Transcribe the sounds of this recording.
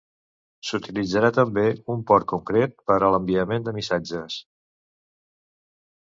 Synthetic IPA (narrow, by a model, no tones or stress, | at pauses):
sut̪ilid͡zəɾat̪əmbeumpɔɾt̪̚kuŋkɾet̪̚pəɾələmbiəmend̪əmisad͡ʒəs